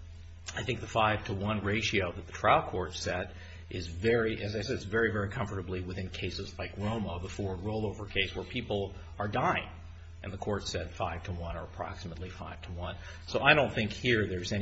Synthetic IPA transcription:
aɪθɪ̃ŋk̚ðɨfaɪv̥tʰəwʌ̃nɹeɪʃioʊðɨt̪̚ðətʰɹ̥aɪlˠkʰɔɹtsɛɾ | ʔɪzvɛɹiʔɨzaɪsɛdzvɛɹivɛɹikʰʌ̃ɱfə˞ɾɨbliwɨθɪ̃nkʰeɪsɨzlaɪkɹõʊ̃moʊðəfɔɹɹoʊlˠoʊvə˞kʰeɪswə˞pʰipl̩ˠ | ə˞daɪɪ̰̃ŋ | ʔɨ̰̃nðəkʰɔɹtsɛd̥faɪv̥tʰəwʌ̃nə̰˞əpʰɹ̥ɑ̰ksəmətˡlifaɪv̥tʰəwʌ̃n | soʊʔaɪɾõʊ̃nθɪ̃ŋkhiɹðə˞zɛn

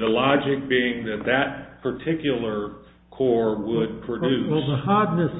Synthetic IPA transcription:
ðəlɑd͡ʒɪk̚b̥iɪ̃ŋðɨt̪̚ðɨt̚pʰə˞tʰɪkjl̩ˠə˞ | kʰɔɹwəd̚pʰɹ̥ɨdʉðəhɑdⁿnɨs

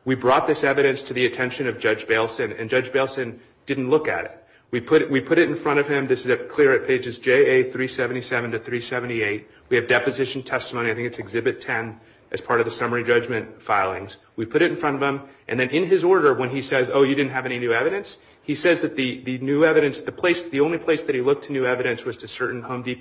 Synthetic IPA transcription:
wibɹɔt̪̚ðɪsɛvɨɾɨ̃nstʰɨðiɨtʰɛ̃nʃɨ̃nʌvd͡ʒʌd͡ʒbeɪlˠsɨ̃nɨ̰̃nd͡ʒʌd͡ʒbeɪlˠsɨ̃n | d̥ɪdⁿn̩ʔlʊkɨ̰ɾɪ̰t̚ | wipʰʊɾʔwipʰʊɾɨɾn̩fɹʌ̃ɾ̃ʌv̥ɪ̃mðɪsɨzɨkʰl̥ɪɹɨt̚pʰeɪd͡ʒɨzd͡ʒeɪeɪθɹisɛvn̩tisɛvɨ̃n̩tɨθɹisɛvn̩tieɪt̚ | wiɨvdɛpɨzɪʃn̩tʰɛstəmõʊ̃niaɪθɪ̃ŋkɨtsɨɡzɪbɨtʰɛ̃n | ʔɨz̥pʰɑɹɾʌvðɨsʌmə˞id͡ʒʌd͡ʒmɨ̃ntfaɪlˠɪ̰̃ŋz̥ | wipʰʊɾɨɾn̩fɹʌ̃ɾ̃ʌvə̃mʔɨ̰̃nðɨ̃nɪ̃nɪzɔɹɾə˞wə̃nisɛzoʊjɨdɪdⁿn̩t̚ɦɨvɛñinʉɛvɨɾɨ̃ns | hisɛzðɨt̪̚ðɨðɨnʉɛvɨɾɨ̃nsðɨpʰl̥eɪsðiõʊ̃nlipʰl̥eɪsðɨt̚hilʊk̚tʰɨnʉɛvɨɾɨ̃nswʌz̥tʰɨsɜ˞ʔn̩hõʊ̃mdip

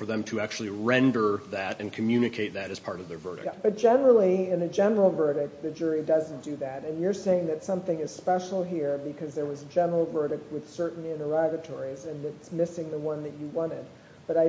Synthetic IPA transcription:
fə˞ðɨ̃mtʰɨæk̚t͡ʃul̩ˠiɹɛ̃ndə˞ðæɾɨ̃nkʰɨmjʉnɨkʰeɪt̪̚ðɨɾɨz̥pʰɑɹɾʌvðə˞vɜ̰˞ɾɨ̰k̚b̥ʌt̚d̥ʒ̥ɛnə˞l̩ˠiɪ̃nɨd͡ʒɛnə˞l̩ˠvɜ˞ɾɨk̚ðɨd͡ʒʊɹidʌzn̩d̥ɨðɨɾɨ̃njə˞seɪɪ̃ŋðɨtsʌ̃mθɪ̃ŋɨz̥spɛʃl̩ˠɦiɹbɨkʰʌzðə˞wʌzəd͡ʒɛnə˞l̩ˠvɜ˞ɾɨk̚t̚wɨð̥sɜ˞ʔn̩ɪ̃ɾ̃ə˞ɑɡɨtʰɔɹizɨ̃nɨtsmɪsɪ̃ŋðəwʌ̃nðɨt͡ʃɨwɑ̃ɾ̃ɪd̚ | b̥ʌɾaɪ

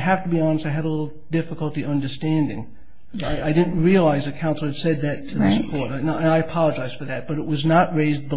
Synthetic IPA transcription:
ɦæftəbiɑnəstaɪɨɾəlɪɾl̩ˠ | d̥ɪfəklˠtiʔʌ̃ndə˞stæ̃ndɪ̰̃ŋ | aɪʔaɪdɪdⁿn̩t̚ɹiɨlaɪzɨkʰãʊ̃nsl̩ˠɨd̥sɛd̪̚ðɨtʰɨðɪskʰɔɹɾnoʊɨ̃naɪɨpʰɑlˠəd͡ʒaɪz̥d̥fə˞ðɨt̚b̥ʌɾɨʔ̚wʌznəʔ̚ɹeɪz̚bə

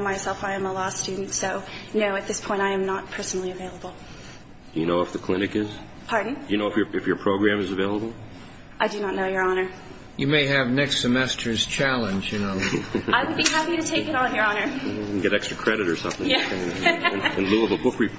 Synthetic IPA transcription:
maɪsɛlˠfaɪɨ̃məlɔsstʉdⁿn̩tsoʊnoʊɨt̪̚ðɪspʰɔ̃ɪ̃taɪɨ̃mnət̚pʰɜ˞snl̩ˠiɨveɪlˠəbl̩ˠ | d̥ɨjɨnoʊəfðɨkʰl̥ɪ̃ñɨkɪz̥ | pʰɑɹdⁿn̩d̥ɨjɨnoʊəfjə˞ɨfjə˞pʰɹ̥oʊɡɹæ̃mɨzɨveɪlˠəbl̩ˠ | ʔaɪdɨnətⁿnoʊjə˞ɑnə˞ | jɨmeɪɨvnɛkstsɨmɛstʰə˞z̥t͡ʃʰælˠə̃nd͡ʒjɨnoʊaɪwəd̚biɦæpiɾɨtʰeɪkɨɾn̩jə˞ɑnə˞ɡɛɾɛkstɹ̥əkʰɹ̥ɛɾɨɾə˞sʌ̃mθɪ̃jæɪ̃ | ɨ̃nluəvəbʊkɹɨpʰ

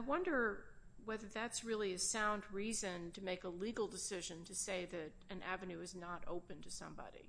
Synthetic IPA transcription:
aɪwʌ̃ndə˞wɛðə˞ðætsɹɪlˠiɨsãʊ̃nd̚ɹizɨ̃ntʰɨmeɪkəliɡl̩ˠdɨsɪʒɨ̃ntʰɨseɪðɨɾɨ̃nʔæ̰vɨ̃nʉɨznəɾʔo̰ʊpɨ̃ntʰɨsʌ̰̃mbɑ̰ɾḭ

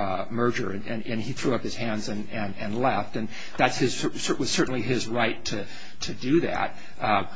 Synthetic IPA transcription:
mɜ˞d͡ʒə˞ɨ̃nɨ̃nɨ̃niθɹʉʌphɨz̥hæ̃ndzɨ̃nɨ̃nɨ̃nlɛftɨ̃n | ðætshɨz̥ə˞sə˞ʔwʌz̥sɜ˞ʔn̩liɪzɹaɪtʰɨ | tʰɨdɨðæ̰t̚

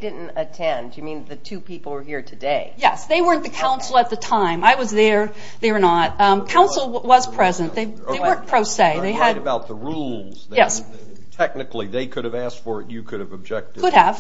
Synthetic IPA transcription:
dɪdⁿn̩tɨtʰɛ̃ndjɨmĩnðɨtʰʉpipl̩ˠwə˞hiɹtʰɨdeɪjɛsðeɪwɜ˞ɨ̃nðɨkʰãʊ̃nsl̩ˠət̪̚ðɨtʰãɪ̃maɪwʌzðə˞ | ðəɪnət̚kʰãʊ̃nsl̩ˠwʌz̥pʰɹ̥ɛzɨ̃nðeɪ | ðeɪɜ˞pʰɹ̥oʊseɪðeɪɨdbaʊt̪̚ðəɹulˠz̥jɛs | tʰɛk̚nɨkliðeɪkʰʊɾɨvæstfə˞ɨ̰t͡ʃɨkʰʊɾɨvəb̚d͡ʒɛk̚tʰʊɾɨv̥

